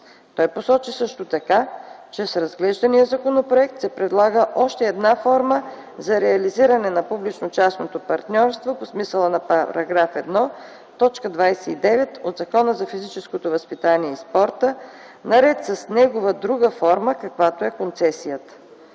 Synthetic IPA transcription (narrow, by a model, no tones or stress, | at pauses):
t̪ɔjposɔt͡ʃisɤʃt̪ot̪ɐkat͡ʃɛsɾɐzɡlɛʒd̪ɐnijəzɐkonopɾoɛk̚t̪sɛpɾɛd̪lˠaɡəʔɔʃt̪ɛːd̪nafɔɾmə | zɐɾɛɐliziɾɐnɛnɐpublit͡ʃnot͡ʃasnot̪opɐɾt̪nʲɔɾst̪voposmisəlˠənɐpɾɐ̰ɡɾafɛd̪nɔ | t̪ɔt͡ʃkəd̪vajsɛid̪ɛvɛt̪od̪zɐkɔnəzɐfizit͡ʃɛskot̪ovəspit̪aniɛispɔɾt̪ə | nɐɾɛt̪səsnɛɡovəd̪ɾuɡəfɔɾməkɐkvat̪oɛkont̪sɛsijət̪ə̥